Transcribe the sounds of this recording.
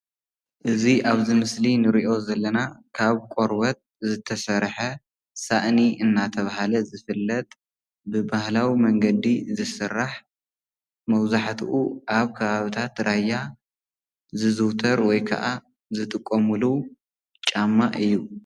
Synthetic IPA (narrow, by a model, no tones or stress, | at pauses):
ʔɨziʔaβzimɨslinɨɾiʔo̞zɐlːɐnakʰaβkʼoɾwɐt̪̚ | zɨt̪ʰɐsɐɾħɐ | saʔniʔɨnːat̪ʰɐβaɦalɐzɨfɨlːɐt̪ʼ | bɨbahlawimɐŋɡɐd̪izɨsɨrːaħ | mɐwzaħt̪ʰuʔuʔaβkʰɐβaβɨt̪ʰat̪ɾaja | zɨzɨwt̪ʰɐɾwɔjkʰɐ̰ʔa | zɨt̪ʼɨkʼːomulu | t͡ʃʼamːaʔɨjːu